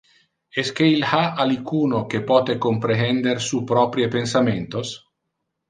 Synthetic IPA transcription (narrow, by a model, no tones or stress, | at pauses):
esk̟eilhaʔalikuːnokepɔːt̪ekompɾeɦɛnd̪eɾsupɾɔpɾjepensament̪os